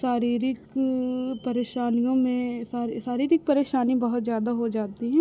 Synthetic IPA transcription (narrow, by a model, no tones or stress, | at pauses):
saːɾiːɾɪk | pɐɾeːʃaːnijõmẽsaːɾsaːɾiːɾɪk̚pɐɾeːʃaːnibɐɦʊt̪zjaːd̪aɦod͡ʒaːt̪iɦɛ̃ː